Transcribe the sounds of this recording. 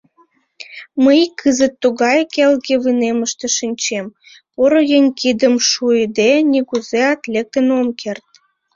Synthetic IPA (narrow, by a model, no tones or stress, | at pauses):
məjkʰːəzət̪ːuɣɑjkelɣeβɯneməʃt̪eʃinʲt͡ɕem | oɾojenʲkid̪əmʃujd̪enʲiɣuzeɑt̪lʲekənomkʰert̪̚